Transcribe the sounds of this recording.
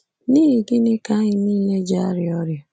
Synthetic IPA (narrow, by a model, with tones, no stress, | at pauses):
niː˦ɦi˨ɡɪ˦nɪ˦ka˨a˦ɲɪ˨niː˦˨le˦d͡ʒa˦a˦ɾɪ˨ɔ˦ɾja˨